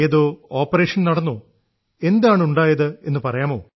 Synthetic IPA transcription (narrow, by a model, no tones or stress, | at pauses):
jɐðoːoːpːɐɾeːʂɐnnɐɽɐnːoː | e̞nd̪aːɳuɳɖaːjɐðɨenːɨpɐrɐjaːmo̞ː